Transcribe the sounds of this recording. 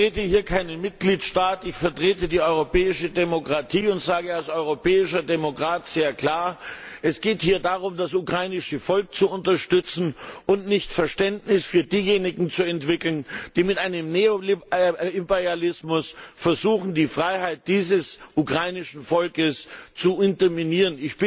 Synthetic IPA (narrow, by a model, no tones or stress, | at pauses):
ʁeːtəhiːɐkʰaɪnənmɪt̚ɡ̥liːtʃtaːtɪçfɛɐtʁ̥eːtədiːɔʏʁopɛːɪʃədemokʁ̥atʰiːʊntz̥aːɡəalsʔɔʏʁopɛːɪʃɐdemokʁ̥aːtz̥eːɐkl̥aːɐʔɛsɡ̥eːthiːɐdaʁ̞ʊmdasʔukʁ̥aɪnɪʃəfɔlk̚t͡suʊntɐʃtʏt͡sn̩ʔʊntnɪçtfɛɐʃtɛntnɪsfyːɐdiːjeːnɪɡŋ̩t͡suɛntv̥ɪkl̩nd̥iːmɪtʔaɪnəmneo | ipɛʁalɪsmʊsfɛɐzuːxn̩diːfʁ̥aɪɦaɪt̚d̥iːzəsʔukʁ̥aɪnɪʃn̩fɔlkəst͡suɪntɐminiːʁənɪçb̥